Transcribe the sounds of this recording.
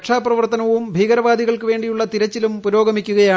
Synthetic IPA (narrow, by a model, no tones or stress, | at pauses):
kʂaːprɐʋɐrt̪ɐnɐʋumbʱiːɡɐɾɐʋaːd̪iɣɐɭkɨʋe̞ːɳɖijuɭːɐt̪iɾɐt͡ɕːilumpuɾo̞ːɡɐmikʲːuɣɐjaː